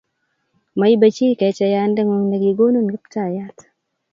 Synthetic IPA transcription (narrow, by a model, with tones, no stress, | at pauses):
ma˨i˦ba˨t͡ʃi˦kɛ˨t͡ʃɛ˦ja˦ndɛ˦ŋwo˨ŋne˨ɡi˨ɡo˦no˦nɡɪ˦pta˦˨ja˦t̪